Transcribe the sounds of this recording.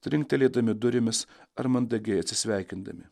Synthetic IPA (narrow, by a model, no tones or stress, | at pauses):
t̪ʲɾʲɪŋʲk̚t̪ʲɛlʲeːd̪ɐmʲɪd̪ʊɾʲɪmʲɪsɐɾmɐnd̪ɐɡʲɛɪɐt̪ʲsʲɪ̥sʲʋʲæˑɪkʲɪnd̪ɐ̰mʲɪ